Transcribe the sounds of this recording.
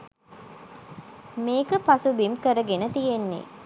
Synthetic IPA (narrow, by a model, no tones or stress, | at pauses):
meːkəpasubimkəɾəɡenət̪ijenːḛ